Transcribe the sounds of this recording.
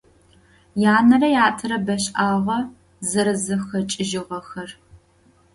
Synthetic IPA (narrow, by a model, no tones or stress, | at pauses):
jaːnɐrɐjaːtʰɨɾɐbɐɕʼʔaːʁɐ | zɨɾɨzɨxɐt͡ʃʼɪʒɪʁɐxɐr